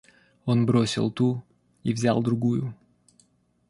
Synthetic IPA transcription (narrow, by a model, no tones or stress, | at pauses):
o̞nbɾo̞sʲɪ̰lˠt̪u | ivzʲa̰lˠd̪ɾʊɡujʊ